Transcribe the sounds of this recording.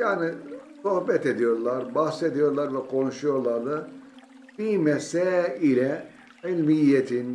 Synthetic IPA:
jaːnisohbɛt̪ed̪ijo̞ɾlˠaɾbahsed̪ijo̞ɾlˠaɾvɛkʰo̞nuʃujo̞ɾlˠaɾlˠɯ | b̥imɛsɛːilʲɛ | ilʲmijːet̪ʰin

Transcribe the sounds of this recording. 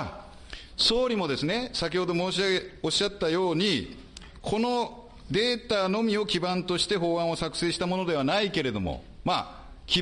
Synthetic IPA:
so̞ːɾʲimo̞d̪e̞sɨne̞sakʲiho̞d̪o̞moːɕoɕːat̪ːajo̞ːɲ̟i | kʰo̞no̞ | d̪e̞ːt̪aːno̞mʲio̞kʲibãnt̪o̞ɕi̥t̪e̞ɦo̞ːãɰ̃o̞sakɯ̟̥se̞ːɕi̥t̪amo̞no̞d̪e̞βanaike̞ɾe̞d̪o̞̰mo̰ | maː | kʲi

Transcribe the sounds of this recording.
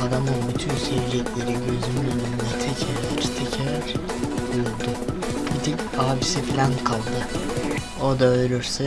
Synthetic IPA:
aɾamɯnbyt̪ʰynseɾid͡ʒɛc̪ʰʲlʲe̞ɾiɟø̞zymyønymd̪ɛt̪ʰɛcʰeɾlɛɾt̪ʰecʰeɾɛɾ | bujuɾˠd̪ʊ | bʰit̪ʰic | aːbisifilʲænkʰalˠd̪ɯ | od̪aøjɾʲyɾsɛ

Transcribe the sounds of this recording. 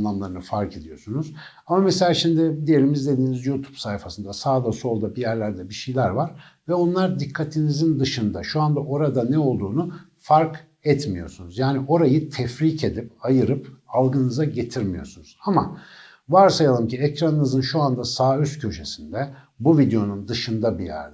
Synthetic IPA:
nlˠamlˠaɾɯnɯfaɾkʰe̞d̪ijo̞sunuz | amameselʲaːʃimd̪ɪd̪ije̞limizd̪e̞d̪iːnizjut̪ʰu̥psajfasɯnd̪asaːd̪aso̞lˠd̪abijæɾlʲæɾd̪ɛbiʃejlʲæɾvaɾ̥vɛo̞nlˠaɾd̪ikʰːat̪ʰinizind̪ɯʃɯnd̪aʃuand̪aʔo̞ɾad̪anɛo̞lˠd̪uːnu | faɾk | ɛt̪mijo̞̰sunuzjaːniʔo̞ɾajɯt̪ʰɛfɾicʰe̞d̪ip̚ajɯɾɯpalˠɡɯnɯzaɟe̞t̪ʰiɾmijo̞̰sunuz̥ama | vaɾsajalˠɯmciɛcɾanɯnɯzɯnʃuand̪asaːyst̪cʰø̞ʃe̞sind̪ɛ | buvid̪ejo̞nund̪ɯʃɯnd̪abijæ̰ɾd̪

